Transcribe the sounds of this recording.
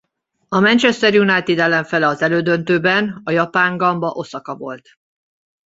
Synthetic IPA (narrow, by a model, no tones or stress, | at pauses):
ɒmɛnt͡ʃɛst̪ɛrjunajt̪id̪ɛlɛɱfɛlɛɒzɛløːd̪ø̞nt̪øːbɛnɒjɒpaːŋɡɒmbɒʔo̞sɒkɒvo̞lt̪